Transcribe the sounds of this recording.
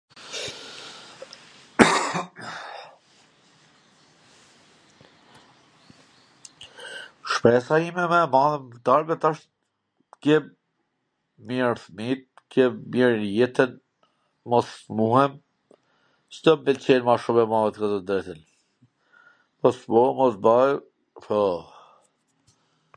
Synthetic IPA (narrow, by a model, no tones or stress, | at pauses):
ʃpɛsaimɛmɛmaðənt̪aɾbɛt̪aʃt̪ | kɛb | miɾθmit̪̚ | kjɛbmiɾjɛt̪ən | mɔsmuɦɛm | t͡ɕəd̪ɔmbɛlt͡ɕɛnmaʃumɛmaðɛt̪kat̪ɔd̪ɾɛt̪ən | mɔsbɔmɔsbaj | pɔ